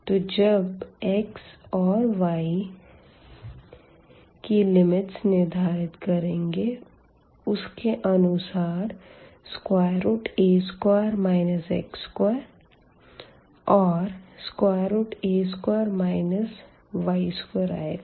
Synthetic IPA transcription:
t̪od͡ʒəbeːksɔːɾʋaːi | kilɪmɪʈsnɪɾd̪ʱaːɾɪt̪kɐɾẽːŋɡe | ʊskeʔɐnʊsaːɾskwaːjɾuːʈeːskwaːɾmaːɪnəsɛ̰ːkskw | ɔːɾskwaːɾuːʈeːskwaːɾmaːɪnəs | ʋaːiskeɾa̰eɡ

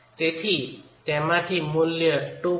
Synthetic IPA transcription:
t̪et̪ʰit̪ɛmatʰimulːjəʈo

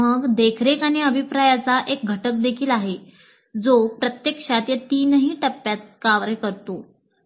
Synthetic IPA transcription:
əɡd̪ekʰɾekaɽ̃iəbʱipɾajat͡saʔek̚ɡʱəʈək̚d̪ekʰiːlaɦe | d͡zopɾət̪jekʂat̪jət̪iːnəɦiːʈəpːjat̪̚kaʋɾkəɾt̪o

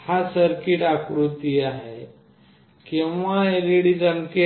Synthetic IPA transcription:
hasəɾkiʈakɾut̪iaɦe | kĩwʋaeliɽid͡zənke

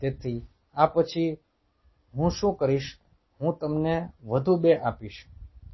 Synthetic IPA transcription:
t̪et̪ʰi | apət͡ʃʰi | ɦũʃũkəɾiʃ | ɦũt̪əmneʋəd̪ʱubeʔapiʃ

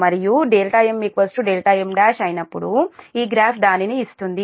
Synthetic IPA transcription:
mɐɾijuɖeːlʈaːjemːikʋɐsʈuɖeːlʈaːjemɖaːʃɐjnɐpːuɽuiːɡɾaːpʰd̪aːniniist̪und̪i

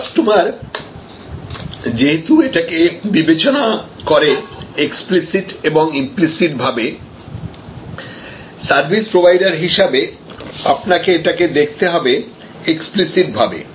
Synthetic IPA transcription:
aʃʈomaɾ | d͡ʑeɦet̪ueʈakebibet͡ɕona | koɾeeksplisiʈeboŋimplisiʈ̚bʱabe | saɾbʱispɾobʱajɖaɾɦiʃabe | apnakeeʈaked̪ekʰt̪eɦɔbe | eksplisiʈbʱabḛ

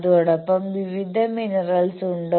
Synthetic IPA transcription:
ðuɔɽɐpːɐmʋiʋid̪ʱɐminɐrɐlsuɳɖo

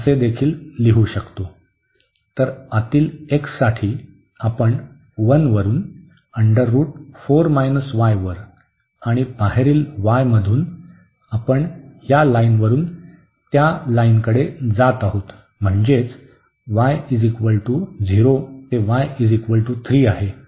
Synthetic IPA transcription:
əsed̪ekʰiːlːiɦuːɕəkt̪o | t̪əɾat̪iːleksaʈʰiː | apəɳ | ʋənʋəɾuːn | əɳɖəɾːuːʈfoɾmajnəsʋajʋəɾ | aɽ̃ibaɦeɾiːlʋajməd̪ʱuːn | apəɳhjalainʋəɾuːn | t̪jalainkəɽed͡zat̪aɦot̪ | m̤əɳd͡zet͡s | ʋajid͡zikʋəɭʈuːd͡zʱiɾot̪eʋajid͡zikʋəɭʈuːt̪ʰɾiːaɦe

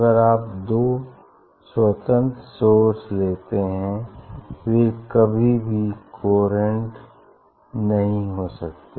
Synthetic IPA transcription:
ɡəɾaːp̚d̪oː | swət̪ə̃nt̪soːɾsleːt̪eɦɛ̃fɪɾkɐbʱibʱikʰoːɾə̃ɳʈ | nɐɦĩɦoːsəkt̪e

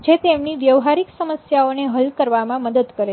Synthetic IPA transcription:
d͡ʒet̪emniʋjəʋɦaɾiksəməsjaoneɦəlkəɾʋamãməd̪əd̪kəɾe

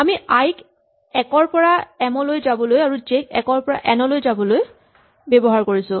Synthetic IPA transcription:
amiajk | ɛkɔɹpɔɹaɛmɔlojzabɔlojaɹuzekɛ̰kɔɹpɔɹa̰ʔɛnɔlojzabɔloj | bebɔɦaɹkoɹisʊ̃

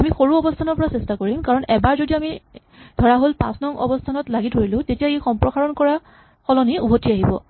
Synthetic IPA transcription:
amixoɹuɔbɔstʰanɔɹpɔɹasɛstakoɹimkaɹɔnɛbaɹzodiami | d̥ʱɔɹaɦolpã̰snɔŋɔ̰bɔstʰanɔtlaɡidʱoɹilʊ̃tetijaejxɔmpɹɔxaɹɔnkɔɹa | xɔlɔniubʱotiaɦibɔ̰

